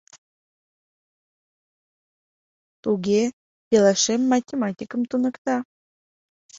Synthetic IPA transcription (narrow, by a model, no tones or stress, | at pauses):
t̪uɡʲe | pelɑʃemːɑtʲemɑtʲikəmt̪unə̆kt̪ɑ